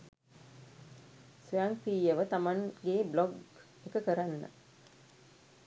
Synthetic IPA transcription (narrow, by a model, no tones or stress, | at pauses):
suaŋfiːəʋət̪amaŋɡeːblɔɡ | ekəkəɾanːə̰